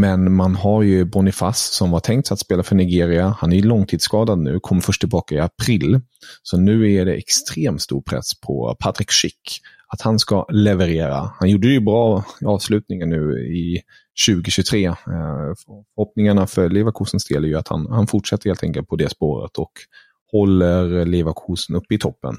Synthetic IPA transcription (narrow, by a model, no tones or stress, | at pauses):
mɛnmanɦaɾjɵbɔnɪfassɔmhaʈʰɛŋkt̪sat̪speːlafœɳɪɡeːɾɪahanæjɵlɔŋːt̪ʰiːd̪skɑːd̪ad̪nʉ̟ːkʰɔmːəɾfœʂʈtʰɪlbɑːkaɪapʰɾɪl | sɔnʉ̟ːæɖɛʔɛkst̪ɾeːmt̪st̪ṵːɾpʰɾɛ̰spʰɔ̰pʰat̪ɾɪkʂɪkː | at̪hanskalɛvɛɾeːɾa̰hanjuːɖəjɵbɾɑːɑːvslʉ̟ːt̪nɪŋənːʉ̟ːɪ | ɕʉ̟ːɡɪɕɵt̪ʰɾeː | fœɾhɔp̚nɪŋaɳafœɭevakʰuːsənsd̪ḛːlæɾjɵat̪ha̰nhanfʊʈʂɛt̪ːəɾheːlt̪ɛŋkəlt̪̚pʰɔd̪ɛspoːɾə̰t̪ʰɔk | hɔlːəɾlevakʰuːsnɵpːɪt̪ʰɔpːə̰n